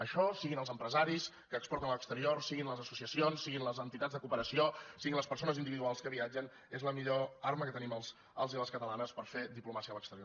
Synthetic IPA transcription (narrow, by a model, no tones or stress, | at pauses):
əʃɔsiɣinəlˠzəmpɾəzaɾis | kəːkspɔɾt̪ənəlˠəkst̪əɾiorsiɣinləzəsusiəsionsːiɣinləzənt̪it̪add͡zðəkupəɾəsiosiɣinləspəɾsonəzind̪iβiðualˠskəβiad͡ʒən | ezləmiʎoarməkət̪əniməlˠz | əlˠziəlˠəskət̪əlanəspəɾfed̪iplumasiələkst̪əɾio